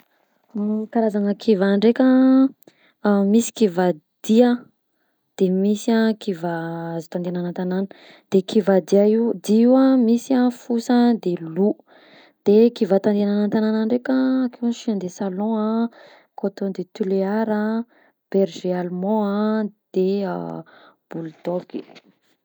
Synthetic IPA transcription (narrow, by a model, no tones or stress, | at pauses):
kaɾazaŋəkʰivaɳɖ͡ʐekʲə | misi̥kivad̪̥iə | d̪̥emisiãkivazo̥t̪ãnd̪eananant̪ananə̥ | d̪̥ekʰivad̪iaid̪iiwamisiãfusəd̪elu | d̪̥ekivat̪ãnd̪eananant̪anananɾekə̃kewaʃiãnd̪esalɔ̃a | kot̪od̪et̪yleaɾə | b̥ɛɾʒealmɔ̃ãd̪̥eə̰ | b̥ulud̪oki̥